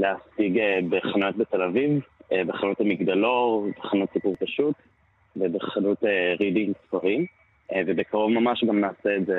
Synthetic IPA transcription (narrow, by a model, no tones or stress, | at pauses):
leasiɡebeχanot̚bete̞lavivebeχanuthamiɡd̪alotbeχanutsipuʁpaʃut | vebeχanuteʁidimsfaʁim | vebekaʁovmamaʃɡamnaːseːtze